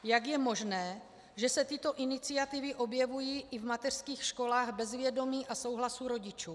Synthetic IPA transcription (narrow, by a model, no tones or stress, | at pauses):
jaɡjɛmo̞ʒnɛː | ʒɛsɛt̪ɪt̪o̞ʔɪnɪt͡sɪat̪ɪvɪʔo̞bjɛvujiːʔɪvmat̪ɛr̥skiːxʃko̞laːɣbɛzvjɛdo̞miːʔaso̞wɦlasuɾo̞ɟɪt͡ʃuː